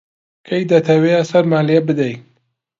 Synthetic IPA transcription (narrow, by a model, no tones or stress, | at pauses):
kʰɐjd̪ɐt̪ʰɐwejɐsɐɾmaːliɛbɨd̪ɐj